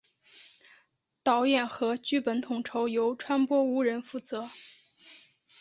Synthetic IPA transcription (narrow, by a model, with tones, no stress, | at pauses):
t̪ɑ˧˥ʊjɛ˥˩nxɤ˧˥t͡ɕy˥˩pə˧˥nt̪ʰʊ˨˩ŋʈ͡ʂʰo˧˥ʊjo˧˥ʊʈ͡ʂʰwa˥npwɔ˥u˧˥ɻə˧˥nfu˥˩t͡sɤ˧˥